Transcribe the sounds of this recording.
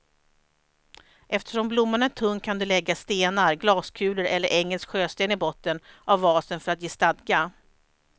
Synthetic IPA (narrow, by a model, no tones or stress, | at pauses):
ʔɛft̪ə̥ʂɔmblʊmːaɳat̪ʰɵŋːkʰand̪ɵlɛɡːast̪eːnaɾɡlɑːskʰʉ̟ːləɾʔɛlːəɾʔɛŋːəlskɧøːst̪eːnɪbɔt̪ːənʔavːɑːsənfœɾat̪jeːst̪ad̪ɡa